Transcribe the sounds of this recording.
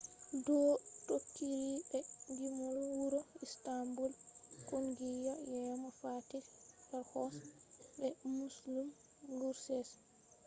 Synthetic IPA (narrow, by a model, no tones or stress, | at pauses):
dɔtotːilibɛdimɔlwuɾɔistambulkonɡijajɛmafatibɛɾhɔsbɛmuslum | luɾsɛs